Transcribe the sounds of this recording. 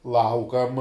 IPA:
ˈlˠɐʊkɐm

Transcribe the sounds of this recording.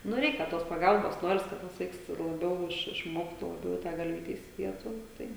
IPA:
ˈnʊ ˈrʲɛɪkʲɛ toːs pɐˈɡɐlˠboːs ˈnoːrʲɪs ˈkɐt tɐs ˈʋɐɪks lˠɐˈbʲɛʊ ˈɪʃ ɪʃˈmoːktuː lˠɐˈbʲɛʊ ɪ ˈtɑː ɡɐlʲˈʋʲiːtʲɛ ɪsʲɪˈdʲiɛtuː ˈtɐɪ

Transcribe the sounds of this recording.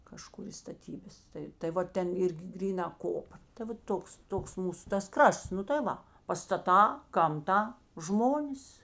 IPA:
kɐˈʃkʊr ɪ stɐˈtʲiːbɐs ˈtɐɪ tɐɪ ˈʋɐ ˈtʲɛn ˈɪrʲɡʲɪ ˈɡrʲiːˌnɐ ˈkoːpɐ tɐɪ ˈʋɐ ˈtoːks ˈtoːks ˈmuːsʊ tɐs ˈkrɐʃts ˈnʊ tɐɪ ˈʋɐ pɐstɐˈtɑː ɡɐmˈtɐ ˈʒmoːnʲɪs

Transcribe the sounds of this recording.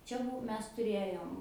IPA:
ˈt͡ʃʲɛ ˈbuɔ ˈmʲɛs tʊˈrʲeːjoːm

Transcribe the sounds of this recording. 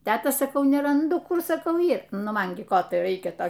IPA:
ˈtʲæːtɐ sɐˈkɐʊ nʲɛrɐnˈdʊ ˈkʊr sɐˈkɐʊ ˈiːr ˈnʊ ˈmɐn ɡʲɪ ˈkoː tɐɪ ˈrɐɪkʲɛ ˈtoː

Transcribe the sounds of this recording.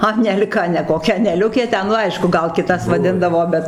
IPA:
ɐnʲɛlʲˈkɐ nʲɛ koːˈkʲɛ ɐnʲɛˈlʲʊkʲeː ˈtʲɛn nʊ ˈɐɪʃkʊ ˈɡɐlˠ kʲɪˈtɐs ʋɐˈdʲɪndɐʋoː ˈbʲɛt

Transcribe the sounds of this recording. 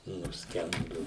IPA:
nʊsʲˈkʲɛndʊ

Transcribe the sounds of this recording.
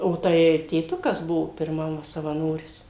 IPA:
oː ˈtɐɪ tʲeːˈtʊkɐs ˈbʊʋoː pʲɪrˈmɐm sɐʋɐˈnoːrʲɪs

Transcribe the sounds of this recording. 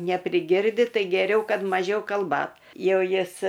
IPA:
nʲɛpʲrʲɪˈɡʲɪrʲdʲɪ ˈtɐɪ ɡʲɛˈrʲɛʊ ˈkɐt mɐˈʒʲɛʊ kɐlˠˈbɐt ˈjɛʊ ˈjɪs

